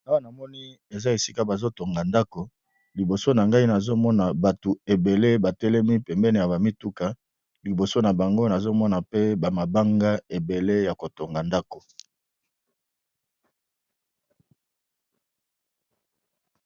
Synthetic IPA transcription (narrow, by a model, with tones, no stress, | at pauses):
a˦wa˦˨na˨mɔ˦ni˦ | e˨za˦e˨si˦ka˦ba˨zo˦to˨ŋɡa˨nda˦ko˨ | li˨bo˨so˦na˨ŋɡa˦i˦na˨zo˦mɔ˦na˨ba˨tu˨e˨be˨le˦ba˨tɛ˦lɛ˦mi˦pɛ˨mbɛ˦ne˨ja˨ba˨mi˦tu˦ka˨ | li˨bo˨so˦na˨ba˨ŋɡo˦na˨zo˦mɔ˦na˨pe˦ba˨ma˨ba˦ŋɡa˦e˨be˨le˦ja˨ko˨to˨ŋɡa˨nda˦ko˨